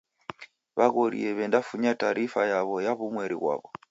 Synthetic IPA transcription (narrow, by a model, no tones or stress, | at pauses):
βaɣoɾḭɛβɛndafuɲataɾifajaβɔjaβumwɛɾḭβwa̰βɔ